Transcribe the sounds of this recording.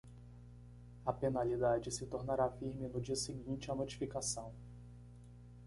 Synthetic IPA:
ɐpenalid̪ad͡ʒɪsɪt̪oɾnaɾafiɾmɪnʊd͡ʒiɐsɪɡĩnt͡ʃɪɐnot͡ʃi̥fikasɐ̃w̃

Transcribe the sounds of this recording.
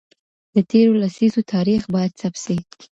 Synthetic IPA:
d̪̥ət̪ʰeɾolasizot̪ʰɑɾixbɑjad̪̚sabse̥

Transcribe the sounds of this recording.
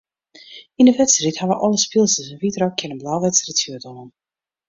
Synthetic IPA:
inəʋɛtsrithaʋəʔɔlˠəspilˠsəsɛnvitrokʰːɪnənblawʋɛtsritsjyətɔnən

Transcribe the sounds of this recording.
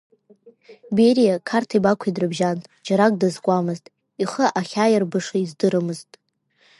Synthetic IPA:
beɾijakʰartʰibakʷʰidrɨbʒantʼd͡ʒaɾakʼdazkʷʼamɨztʼ | iχəʔaχʲajarbɨʂaizdɨɾɨmɨztʼ

